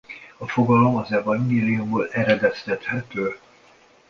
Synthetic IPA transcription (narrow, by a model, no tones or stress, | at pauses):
ɒfo̞ɡɒlo̞mɒzɛvɒɲɡeːliumboːlɛɾɛd̪ɛst̪ɛt̪hɛt̪øː